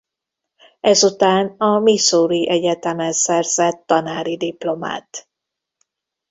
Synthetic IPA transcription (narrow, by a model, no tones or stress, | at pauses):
ɛzut̪aːnɒmisoːɾiʔɛɟɛt̪ɛmɛnzɛrz̥ɛt̪ːɒnaːɾid̪iplo̞ma̰ːt̪